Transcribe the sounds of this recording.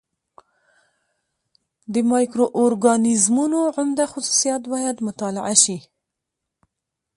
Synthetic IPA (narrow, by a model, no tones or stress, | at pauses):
d̪əmɑjkɾoʔoɾɡɑnɪzmunoʕʊmd̪axʊsu̥sijɑt̪bɑjad̪mʊt̪ɑla̰ʕaʃi